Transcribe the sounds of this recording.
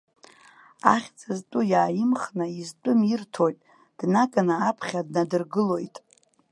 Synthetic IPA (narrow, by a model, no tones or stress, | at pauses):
a̰χʲt͡sʰʼaztʷʼujaːjɪmχnaizt͡pʷʼʊmirtʰo̞jtʼ | d̥nakʼanɨapʰχʲadnadɨrɡɨlo̞jtʼ